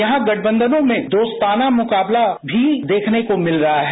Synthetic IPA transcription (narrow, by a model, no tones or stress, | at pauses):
jɐɦãɡɐʈʰbə̃nd̪ənõmẽd̪oːst̪aːnamʊkaːblabʱid̪eːkʰnekomɪlɾɐɦaɦ